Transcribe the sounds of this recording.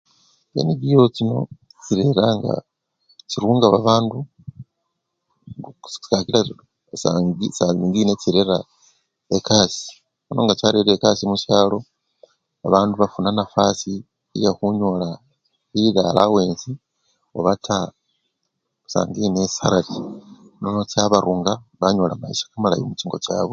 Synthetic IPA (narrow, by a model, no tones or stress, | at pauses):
ḛniɟijocino̞̰ | t͡ʃiɾe̞ɾaŋɡa̰ | ciɾuːŋɡaβaβaːndu | i̥kakila | saɡisaiŋɡineciɾe̞ɾa | ekaːsi̥ | onoːŋɡacaɾeɾekasimuʃaːlo̞ | aβaːnduβafunanafasi | ijaxuɲo̞la | ila̰lʔa̰weːnzi | o̞βatʰa | sa̰ːŋɡinesaɾaɾinonot͡saβaɾuːŋɡaβaɲo̞lamaiʃḁkamala̰jomut͡ʃiːŋɡo̞̰ca̰ːβo